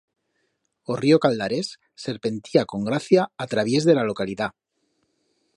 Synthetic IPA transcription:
o̞rio̞kald̪aɾe̞sː | e̞ɾpe̞nt̪iako̞ŋɡɾaθjaːt̪ɾaβ̞je̞zðe̞lalo̞kaliða

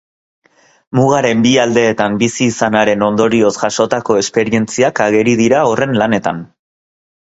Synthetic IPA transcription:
muɣ̞aɾe̞mbiald̪e̞ːt̪ambisiːsanaɾe̞no̞nd̪o̞ɾio̞sʝaʃo̞t̪ako̞e̞spe̞ɾie̞nt͡siakaɣ̞e̞ɾið̞iɾao̞re̞nlane̞t̪an

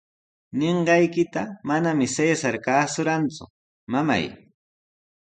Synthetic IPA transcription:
neɴɢɑjkɪt̪amanamɪseːsaɾkaːsʊɾant͡sʊ̰ | mama̰j

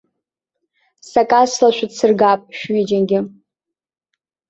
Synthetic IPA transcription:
sakʼaslaʃʷᶣadsɨrɡapʼʃᶣɥid͡ʒanɡʲɪ

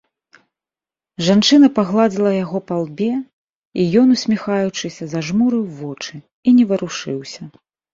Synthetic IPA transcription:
ʐant͡ʂɨnɐpaɣlˠad͡zʲilˠɐjaɣɔpalˠbʲɛ | ijɔn̪usʲmʲixajut͡ʂɨsʲɐzɐʐmuɾɨwvɔt͡ʂɨ | inʲɛvɐɾuʂɨwsʲɐ

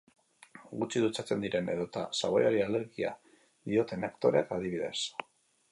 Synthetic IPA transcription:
ɡut͡ʃiðut͡sat͡se̞nd̪iɾe̞ne̞ðo̞t̪a̰saɣo̞̰jaɾiale̞ɾɣia̰ | ðio̞t̪e̞nekt̪o̞ɾeat̪aðiβ̞iðe̞̰s

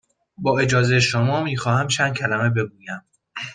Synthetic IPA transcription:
bɒːe̞d͡ʒɒːzejeʃomɒːmiːxɒːhæmt͡ʃʰænd̪̚cʲʰælæme̞be̞ɡuːjæm

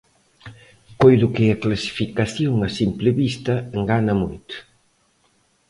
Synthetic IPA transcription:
kojðʊkɪaklasi̥fikaθjoŋɐsimplɪβist̪ɐŋɡanɐmo̰jt̪ʊ̥

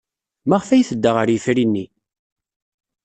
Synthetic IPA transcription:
maʁfæjθəd̪ːəʁəɾjəfɾinːi

